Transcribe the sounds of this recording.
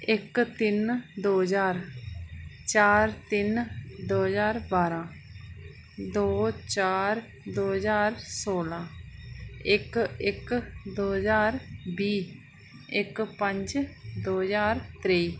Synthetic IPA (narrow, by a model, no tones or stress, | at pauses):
ɪkt̪ɪnd̪oːzaːɾ | t͡ʃaːɾt̪ɪnd̪oːzaːɾbaːɾãː | d̪oːt͡ʃaːɾ | d̪oːzaːɾsoːlãː | ɪkɪkd̪oːzaːɾbiː | ɪkpə̃ɲd͡ʒd̪oːzaːɾt̪ɾeiː